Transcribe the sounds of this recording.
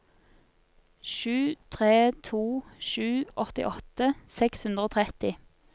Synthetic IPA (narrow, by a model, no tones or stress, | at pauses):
ʃʉːt̪ʰʁeːt̪ʰuːʃʉːʔɔt̪ɪ̰ʔɔt̪əsɛkshʉnd̪ʁoːt̪ʰʁɛt̪ɪ